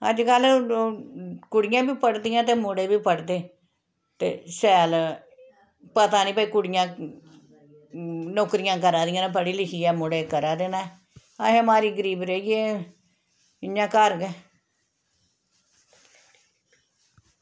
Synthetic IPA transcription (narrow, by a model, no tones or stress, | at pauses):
ə̰d͡ʒkəlː | kʊɽɪjãːbiːpəɽd̪ɪjãːt̪eːmʊɽeːbiːpəɽd̪eː | t̪ḛːsɛːl | pət̪aːnĩːpəiːkʊɽɪjãː | noːkɾɪjãːkəɾaːd̪ɪjãːnepəɽiːlɪkʰiːɛːmʊɽeːkəɾaːd̪eːnaː | a̰ɦẽːmaːɾiːɡəɾiːbɾeːiːeː | ɪnːãːkəɾɡɛː